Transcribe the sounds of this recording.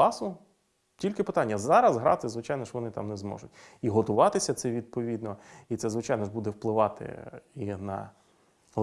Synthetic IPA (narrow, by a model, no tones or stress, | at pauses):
ɑsʊ | tʲilʲkɪpɪt̪ɑnʲːɐzɑɾɐzɦɾɑ̰t̪ɪzʋɪt͡ʃɑjnɔʃʋɔnɪt̪ɑ̰mnɛzmɔ̰ʒʊtʲiɦɔt̪ʊʋɑt̪ɪsʲɐt̪sɛʋʲid̪̚pɔʋʲid̪nɔit̪sɛzʋɪt͡ʃɑjnɔʒbud̪ɛwplˠɪʋɑt̪ɪ̰inɐ̰